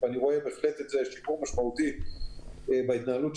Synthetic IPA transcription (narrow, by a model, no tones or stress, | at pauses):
aniʁo̞ebeːχlet̪etzeeʃipuʁmaʃmaut̪i | ebait̪naːalut